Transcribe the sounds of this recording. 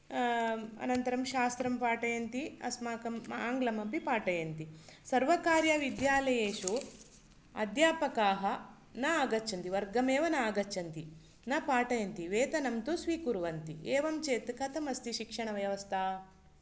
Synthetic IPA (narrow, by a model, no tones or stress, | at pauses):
ɐ̰nɐnt̪ɐɾɐmʃaːst̪ɾɐmpaːʈɐjɐnt̪iɐ̰smaːkɐmaːŋɡlɐmɐpipaːʈɐjɐnt̪isɐɾʋɐkaːɾjɐʋid̪jaːlɐjeːʃu | ɐ̰d̪jaːpɐkaːɦɐ | nɐaːɡɐt͡ʃːɐnt̪iʋɐɾɡɐmeːʋɐnɐːɡɐt͡ʃːɐnt̪i | nɐpaːʈɐjɐnt̪iʋeːt̪ɐnɐmt̪usʋiːkuɾʋɐnt̪ieːʋɐmt͡ʃeːt̪kɐt̪ʰɐmɐst̪iʃikʂɐɳɐʋjɐʋɐst̪ʰaː